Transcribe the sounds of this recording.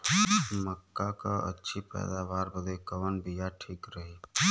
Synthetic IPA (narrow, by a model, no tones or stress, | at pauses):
məkːakaə̰tːʃʰipɛ̰ːd̪aʋaːɾbəd̪ekəʋənbijaʈʰiːkɾəɦe